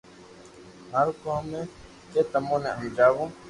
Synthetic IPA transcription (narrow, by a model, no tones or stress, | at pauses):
ɦəɾkoːmẽː | keːt̪əmõːnḛ̃ːɦə̃md͡ʒaːʋõː